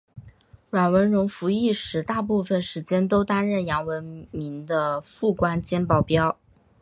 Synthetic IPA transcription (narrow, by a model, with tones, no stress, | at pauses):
ɻwa˨˩wə˧˥nɻʊ˧˥ŋfu˧˥i˥˩ʂɻ̩˧˥t̪a˥˧pu˥˩fə˨˩nʂɻ̩˧˥t͡ɕjɛ˥nt̪o˥ʊt̪a˥nɻə˥˩njɑ˧˥ŋwə˧˥nmi˧˥ŋd̪ə˧fu˥˩kwa˥nt͡ɕjɛ˥npɑ˥˩ʊpjɑ˥ʊ